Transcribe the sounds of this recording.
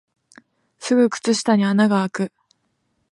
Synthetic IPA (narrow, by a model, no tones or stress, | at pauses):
sɨɡɯ̟kɯ̟̥t͡sɨɕi̥t̪aɲ̟ianaɡaːkɯ̟